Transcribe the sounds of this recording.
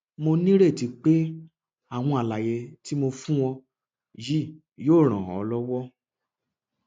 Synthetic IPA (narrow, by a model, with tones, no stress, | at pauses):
mo˧nĩ˦ɾe˦˨ti˨˧˦k͡pe˦ | a˦˨w̃ɔ̃˧a˨la˨je˧ti˦mo˧fũ˦w̃ɔ̃˧ | ji˦˨ | joː˦˨ɾ̃ã˨ɔ̰˧lɔ˦wɔ˦